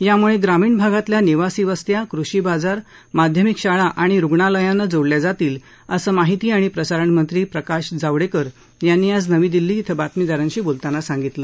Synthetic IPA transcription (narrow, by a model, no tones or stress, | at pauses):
jamuɭeɡɾamiːɳbʱaɡat̪ljaniʋasiːʋəst̪jakɾuɕiːbad͡zaɾ | mad̪ʱjəmikɕaɭaʔaɽ̃iɾuɡɳaləjãnːad͡zoɽljad͡zat̪iːl | əsəːmaɦit̪iːaɽ̃ipɾəsaɾəɳmənt̪ɾiːpɾəkaɕd͡zaʋɽekəɾ | janːiːad͡znəʋiːd̪ilːiːt̪ʰəbat̪mid̪aɾə̃nɕiːbolt̪anasãŋɡit̪lə